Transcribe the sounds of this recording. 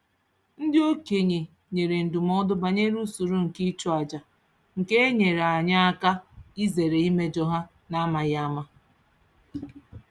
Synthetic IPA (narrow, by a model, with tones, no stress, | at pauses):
n̩˦dɪ˦o˦ke˨ɲe˨ | ɲe˨ɾe˨n̩˨du˨m˦ɔ˦dʊ˦ba˨ɲe˦ɾu˦su˨ɾu˦ŋ̩˨ki˦t͡ʃɔ˦a˨d͡ʒa˨ | ŋ̩˨ke˦ɲe˨ɾa˨ɲa˦a˦ka˦i˦ze˨ɾe˨i˦me˦d͡ʒɔ˦ɦa˦ | na˦ma˨ɣa˦ma˦